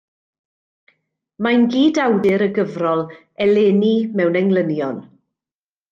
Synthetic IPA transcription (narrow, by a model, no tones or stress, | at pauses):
manɡiːdawdɪɾəɡəvrɔlˠ | ɛleːnimɛwnɛŋlˠənjɔn